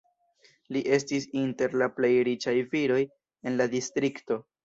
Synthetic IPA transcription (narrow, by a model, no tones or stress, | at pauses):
liʔe̞s̬tisinte̞ɾlaple̞jɾit͡ʃajviɾo̞j | e̞nladistɾikto̞